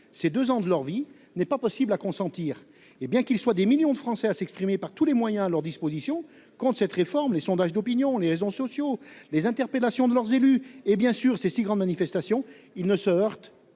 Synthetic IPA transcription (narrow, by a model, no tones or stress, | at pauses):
sed̪øzɑ̃d̪əlœʁvi | nɛpapɔsiblakɔ̃sɑ̃t̪iːʁ | ebjɛ̃kilswad̪emiljɔ̃d̪əfχɑ̃sɛasɛkspχimepaʁt̪ulemwajɛ̃alœʁd̪ispozisjɔ̃ | kɔ̃t̪sɛt̪ʁefɔʁmlesɔ̃d̪aʒd̪ɔpinjɔ̃leʁezosɔsjolezɛ̃t̪ɛʁpelasjɔ̃d̪əlœʁzelyebjɛ̃syːʁsesiɡʁɑ̃d̪manifɛst̪asjɔ̃ | ilnəsəœʁt̪